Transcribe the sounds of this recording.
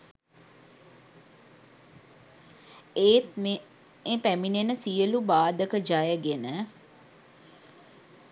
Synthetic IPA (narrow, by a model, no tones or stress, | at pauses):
eːt̪ | epæminenəsijəlubaːd̪əkəd͡ʒajəɡenə